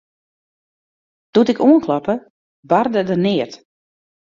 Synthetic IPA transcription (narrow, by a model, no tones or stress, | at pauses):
d̥utɪkuənkʰlapə | bardədənɪət